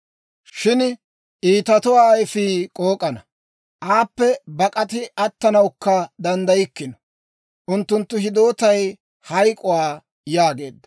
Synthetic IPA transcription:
ʃɪn | ʔiːt̪ɐt̪ʊwaːɪfiːkʼo̞ːkʼɐnɐ | ʔaːpːɛbɐkʼɐt̪ɪʔɐt̪ːɐnɐwkːɐd̪ɐnd̪ɐjɪkːɪnɔ̥ | ʔʊnt̪ːʊnt̪ːʊɦɪd̪o̞ːt̪ɐj | hɐjkʼʊwaː | jaːɡe̞ːd̪ːɐ̥

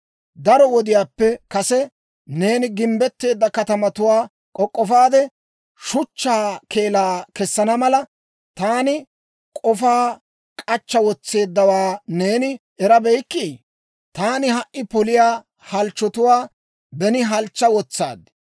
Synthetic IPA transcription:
d̪ɐɾɔwɔd̪ɪjaːpːɛkɐsɛ | ne̞ːnɪɡɪmbɛt̪ːe̞ːd̪ːɐkɐt̪ɐmɐt̪ʊwaː | kʼɔkʼːɔfaːd̪ɛ | ʃʊt͡ʃːaːkʰe̞ːlaːkɛsːɐnɐmɐlɐ | t̪aːnɪ | kʼɔfaː | kʼɐt͡ʃːɐwɔt͡sːe̞ːd̪ːɐwaːne̞ːnɪ | ɛɾɐbɛjkːi | t̪aːnɪɦɐʔʔɪpɔlɪjaː | hɐlt͡ʃːɔt̪ʊwaː | bɛnɪɦɐlt͡ʃːɐwɔt͡sːa̰ːd̪

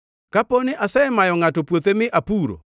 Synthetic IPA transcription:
kaponɪʔasɛmajɔŋatɔpwot̪emɪʔapuɾo̰

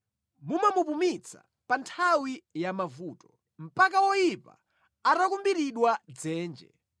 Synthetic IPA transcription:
mumamupumit͡sʰa̰ | pantʰawijamavuːtɔ̥ | m̩pak̬awɔjipa̰ | atakumbiɾiɗwad͡zɛːnd͡ʒɛ̰

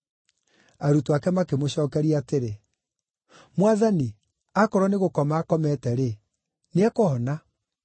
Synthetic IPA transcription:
aɾutoakɛmakemoɕɔːkɛɾiaːteɾe | mwaðani | akɔɾɔneɣokɔmaːkɔmɛtɛɾe | neɛkohɔna

